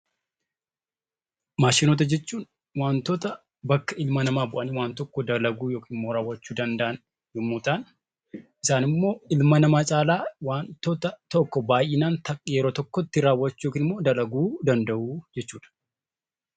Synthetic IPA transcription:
maːʃɪnoːt̪̬ɐd͡ʒɛt͡ʃːuːn | waːnt̪oːt̪ɐ | bɐkːɐɪlmɐnɐmaːbʊʔɐniwaːnt̪ɔkːɔd̪ɐlɐɡuːjoːkiːnɪmːoːɾaːwːɐt͡ʃːuːd̪ɐnd̪ɐʔɐn | jɔmːuːt̪aːn | ʔɪsaːnɪmːo̞ːɪlmɐnɐmaːt͡ʃʼaːlaːwaːnt̪oːt̪ɐt̪ɔkːɔbaːjɪːnaːnt̪ɐkʼjɛɾoːt̪ɔkːɔt̪ːɪɾaːwːɐt͡ʃːuoːkiːnɪmːoːd̪ɐlɐɡuːd̪ɐnd̪ɐʔuːd͡ʒɛt͡ʃːuːᶑɐ̥

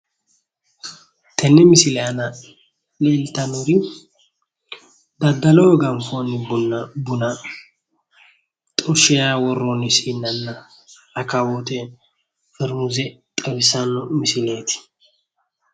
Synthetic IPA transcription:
t̪ʰɛnːɪmɪsɪlɛanɐ | leːlt̪ːɐnʊɾɪ | d̪ɐd̪ːɐloːɡɐmfonːɪbʊnːɐbʊnɐ | t̪ʼʊʃɛjawɔrːɔnɪsiːnːɐnːɐ | ɐkɐwot̪ɛ | fɪɾmʊzɛt̪ʼɛbɪsɐnːɔmɪsɪleːt̪ɪ̥

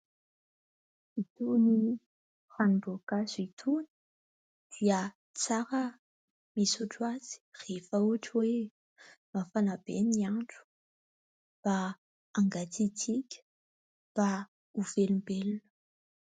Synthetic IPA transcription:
it̪uni | fanɖ͡ʐuakazuit̪ʰuni̥ | d̪̥iə | t͡saɾə | misuʈ͡ʂuaz̥i̥refəuaʈ͡ʂiwe | mafanabeniaɳɖ͡ʐu̥ | b̥aː | ŋɡat͡sit͡sikʲə̥ | b̥a | uvelumbelunə̥

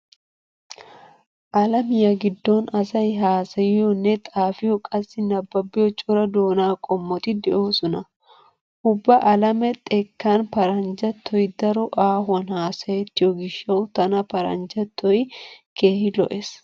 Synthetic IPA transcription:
ʔɐlɐmɪjɐɡɪd̪ːonɐsɐjɦaːsɐjɪjɔnːɛt̪ʼaːfɪjɔkʼɐsːɪnɐbːɐbːɪjɔt͡ʃʼʊɾɐd̪o̞ːnaːkʼɔmːɔt̪ɪd̪ɛʔo̞ːsɔnɐ | ʊbːɐʔɐlɐmɛt̪ʼɛkːanpɐɾɐnd͡ʒɐt̪ʰːɔjd̪ɐɾɔʔaːɦɐnhaːsɐjɛt̪ːɪjɔɡɪʃːɐwʊt̪ɐnɐpɐɾɐ̰nd͡ʒɐt̪ʰːɔjke̞ːhɪlɔ̰ʔes

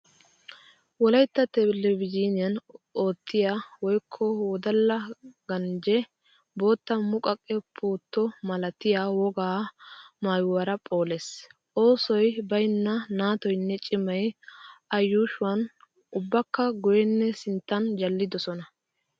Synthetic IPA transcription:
wɔlɐjt̪ːɐt̪ɛlɛvɪd͡ʒiːnɪjɐno̞ːt̪ːɪjaːwɔjkʰːɔwɔd̪ɐlːɐɡ̥ɐnd͡ʒɛ | bo̞ːt̪ːɐmʊkʼɐkʼːɛpʰuːt̪ːɔmɐlɐt̪ɪjaːwɔɡaːmaːjʊwɐɾɐpʼo̞ːleːs | o̞ːsɔjbɐjnːɐnaːt̪ɔjnːɛt͡ʃʼɪmɐjɐjːuːʃʊɐn | ʊbːɐkːɐɡʊjɛnːɛsɪnt̪ːɐnd͡ʒɐlːɪd̪ɔsɔnɐ

